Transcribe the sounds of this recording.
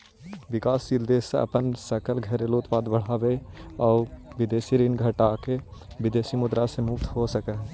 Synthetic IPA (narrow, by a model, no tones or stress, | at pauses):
ʋɪkaːsd͡ʒild̪esḛə̰pənsəkəlɡʱəɾeloːt̪paːd̪bəɽ̤aːbeɔːɾʋɪd̪eːsiɾiːnɡʱəʈake | bɪd̪eːsimʊd̪ɾasemʊpt̪ɦosəkəɦ